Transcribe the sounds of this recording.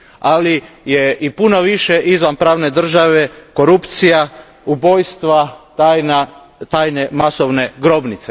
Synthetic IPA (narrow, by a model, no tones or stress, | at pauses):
alijeipuno̞ʋiʃeʔizʋanpɾaːʋne̞d̪r̩ʒaʋe̞ko̞ɾupt̪sija | ubo̞jst̪ʋa | ajna | t̪aːjne̞masoʋne̞ɡɾo̞bnit̪se